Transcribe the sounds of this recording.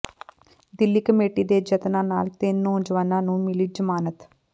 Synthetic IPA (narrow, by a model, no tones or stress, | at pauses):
d̪ɪlːiːkəmeːʈiːd̪eːd͡ʒət̪nãːnaːlt̪ɪnːõːd͡ʒʋaːnãːnũːmɪlid͡ʒəmaːnət̪